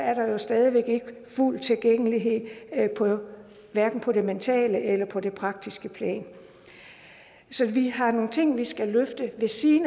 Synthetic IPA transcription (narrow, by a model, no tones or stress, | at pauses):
æɐɾ̥ɑ̈jo̝sd̥ɛːð̞ˠiʋeɡ̥e̝ɡ̥əful̰t͡sʰe̝lɡ̥eŋ̰əliɦe̝ð̰ˠpʰɒ̽ | ʋæɐɡ̥n̩pʰɒ̽ɾ̥e̝ment͡sʰɛ̰ːləʔelɐpʰɒ̽d̥e̝pʰʁɑ̈ɡ̥̚d̥isɡ̥əpʰlɛ̰ːn | sɒ̽ʋiɦɑ̈no̝ːn̩t͡sʰe̝ŋ̰ʋisɡ̥æløfd̥əʋe̝siːn